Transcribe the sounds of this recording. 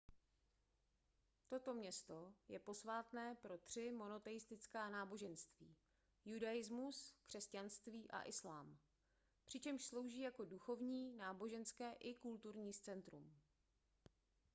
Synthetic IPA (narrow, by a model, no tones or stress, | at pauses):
t̪o̞t̪o̞mɲɛst̪o̞jɛpo̞svaːt̪nɛːpɾo̞t̪r̝̥ɪmo̞no̞t̪ɛjɪst̪ɪt͡skaːnaːbo̞ʒɛnst̪viː | judajɪzmuskr̝̥ɛscanst̪viːʔa̰ʔɪslaːm | pr̝̥ɪt͡ʃɛmʃslo̞wʒiːjako̞duxo̞vɲiːnaːbo̞ʒɛnskɛːʔɪkult̪uɾɲiːst͡sɛnt̪ɾum